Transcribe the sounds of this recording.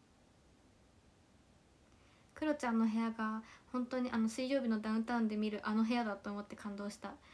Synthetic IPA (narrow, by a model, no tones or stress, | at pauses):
kɯ̟ɾo̞t͡ɕãnːo̞ɦe̞jaɡahõ̞nt̪o̞ːɲ̟iʔano̞sɨiːʑo̞ːbʲino̞d̪aɯ̃nt̪aɯ̃nd̪e̞mʲiɾɯ̟ʔano̞ɦe̞ad̪at̪o̞ːmo̞t̪ːe̞kʰãnd̪o̞ːɕi̥t̪a